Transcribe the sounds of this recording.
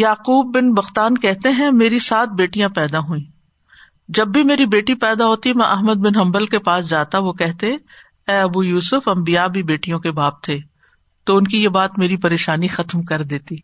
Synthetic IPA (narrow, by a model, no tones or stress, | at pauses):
jaːquːb̚ːɪnbɐxt̪aːnkɛɦt̪eɦɛ̃meːɾisaːt̪̚ʰbeːʈijãpɛːd̪aɦuĩː | d͡ʒɐbːʱimeːɾibeːʈipɛːd̪aɦoːt̪imɐ̃ʔɐɦməd̪̚bɪnɦɐ̃mbəlkepaːsd͡ʒaːt̪aʋokɛɦt̪eɛ̃ | ɛːɐbujuːsʊfɐ̃mbijabʱibeːʈijõkebaːb̚t̪ʰeː | t̪oʊnkijebaːt̪meːɾipɐɾeːʃaːnixɐt̪mkɐɾd̪eːt̪iː